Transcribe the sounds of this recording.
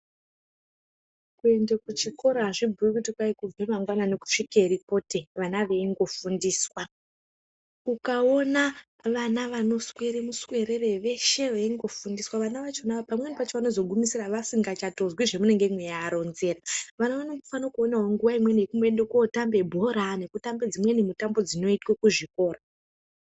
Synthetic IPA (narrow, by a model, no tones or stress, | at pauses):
kue̞ndekut͡ʃiko̞ɾaʐibʱuikutikwaikub͡vemaŋɡwanane̞ku̥ʂikeɾipo̞te̞ʋanaʋeiŋɡo̞fundiːswa | ukaona | ʋanaʋano̞swe̞ɾemuswe̞ɾere̞ʋe̞ʃe̞ʋeiŋɡo̞fundiswaʋanaʋat͡ʃeonaapamwenipat͡ʃoʋano̞zo̞ɡʱumisiraʋasiŋɡat͡ʃato̞zwiʐe̞mune̞ŋɡemwejaːɾo̞nze̞ːraʋanaʋanoɡufanokuoneɦwoŋɡuʋaimwe̞nekumoendekotambe̞bʱo̞ɾane̞kutambe̞d͡zimwe̞nimutambo̞d͡zino̞itkokuʐiko̞ːra